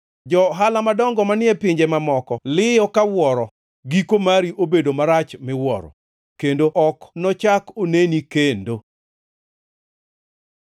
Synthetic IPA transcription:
d͡ʒɔɦalamadɔŋɡɔmanɪɛpɪɲd͡ʒemamɔkɔlɪjɔkawɔɾɔ | ɡikomaɾiʔobedomaɾat͡ʃmɪwɔ̰ɾɔ̰ | kendoʔɔknɔt͡ʃakonenikendo

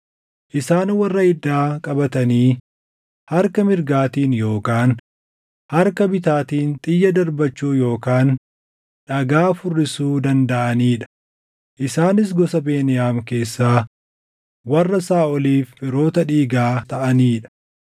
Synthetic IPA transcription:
ʔɪsaːnwɐrːɐɪd̪ːaːkʼɐbɐt̪ɐniː | hɐɾkɐmɪɾɡaːt̪iːnjo̞ːkaːn | hɐɾkɐbɪt̪aːt̪iːnt̪ʼɪjːɐd̪ɐɾbɐt͡ʃːuːjo̞ːkaːn | ᶑɐɡaːfʊrːɪsuːd̪ɐnd̪ɐʔɐniːᶑɐ̥ | ʔɪsaːnɪs̬ɡɔsɐbeːnɪjaːmke̞ːsːaː | wɐrːɐsaːɔliːfːɪɾo̞ːt̪ɐᶑiːɡaːt̪ɐʔɐniːᶑɐ̥

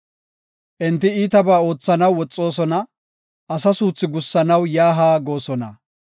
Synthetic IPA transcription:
ʔɛnt̪ːɪiːt̪ɐbaːo̞ːt͡sːɐnɐwːɔt͡sʼːo̞ːsɔnɐ | ɐsɐsuːt͡sːɪɡʊsːɐnɐwjaːɦaːɡo̞ːsɔnɐ̰

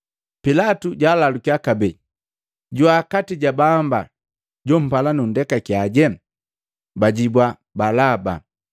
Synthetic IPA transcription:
pilatuɟaːlalukiakabɛ | ɟuakatiɟabamba̰ | ɟɔm̩palanun̩dɛkakiaɟɛ | baɟibwa | balaba̰

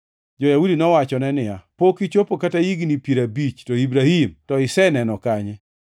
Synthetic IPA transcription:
d͡ʒɔjaudinɔwat͡ʃɔnɛnɪjapokit͡ʃopokatajiɡnipiɾabit͡ʃtɔibɾahimtɔɪsɛnɛnɔkaɲɛ

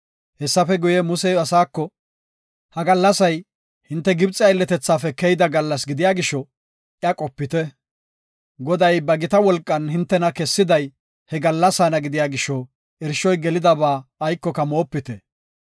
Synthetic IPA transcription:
hɛsːɐfɛɡʊjɛmʊsɛjɐsaːkːɔ | hɐɡɐlːɐsɐj | hɪnt̪ːɛɡɪbt͡sʼɪɐjlːɛt̪ɛt͡sːaːfɛkɛjɪd̪ɐɡɐlːɐs̬ɡɪd̪ɪjaːɡɪʃɔ | ʔjɐkʼɔpːɪt̪ɛ | ɡɔd̪ɐjbɐɡɪt̪ɐwɔlkʼːɐnɦɪnt̪ːɛnɐkɛsːɪd̪ɐj | hɛɡɐlːɐsaːnɐɡɪd̪ɪjaːɡɪʃɔ | ɛɾʃːɔjɡɛlɪd̪ɐbaːjkːɔkɐmo̞ːpːɪt̪ɛ

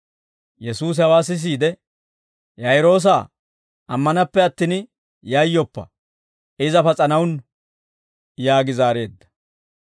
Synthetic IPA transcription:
jɛsuːs̬ɪhɐwaːsɪs̬iːd̪ɛ | jɐjɾo̞ːs̬aː | ʔɐmːɐnɐpːɛɐt̪ːin | jɐjːɔpːɐ̰ | ɪzɐfɐt͡sʼɐnɐwn | jaːɡɪzaːɾe̞ːd̪ːɐ̥

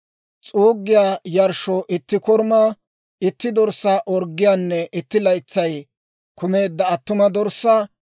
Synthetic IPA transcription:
t͡sʼuːɡːɪjaːjɐɾʃɔʔɪt̪ːɪkɔɾmɐ | ɪt̪ːɪd̪ɔɾsaʔɔɾɡːɪjaːnːɛʔɪt̪ːɪlɐjt͡sːɐj | kʊme̞ːd̪ːɐːt̪ːʊmɐd̪ɔɾsːɐ

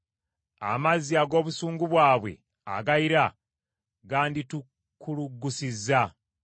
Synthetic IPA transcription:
a̰maziaɡo̞ːβusuːŋɡuβwaːβwe̞̰ | a̰ɡaiɾa | ɡaːnditu | kuluɡːusizːa

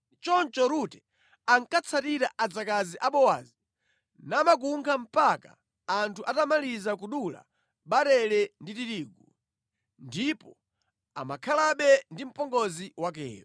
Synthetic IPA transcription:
t͡ʃɔnt͡ʃɔɾutɛ | aŋkat͡sʰatiɾaʔad͡zakaziʔaɓɔwaːzi | naːmak̬uŋkʰam̩paka̰ː | ntʰuʔatamalizakuɗula̰ | ɓaɾɛlɛnditiɾiːɡu | ndipɔ | a̰makʰalaɓɛndim̩pɔŋɡɔziwak̬ɛ̰ːɾɔ

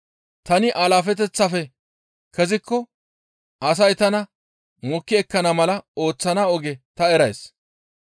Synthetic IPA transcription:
t̪ɐnɪʔalaːfɛt̪̬ɛt͡sːɐfɛ | kɛzɪkːɔ | ʔɐsɐjt̪ɐnɐ | mʊkːɪɛkːɐnɐmɐlɐo̞ːt͡sːɐnaɔɡɛt̪ɐɛɾɐjs

